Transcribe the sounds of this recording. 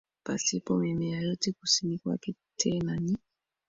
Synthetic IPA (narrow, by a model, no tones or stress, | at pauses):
pa̰sipɔmɛmɛjajotikusinikwa̰ki | tʰɛnani